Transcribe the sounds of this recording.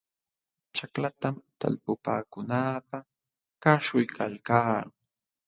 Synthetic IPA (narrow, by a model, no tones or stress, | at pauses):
t͡ʃaklat̪amt̪a̰lpʊpa̰ːkʊnaːpa | kaʃʊjkʰalkaː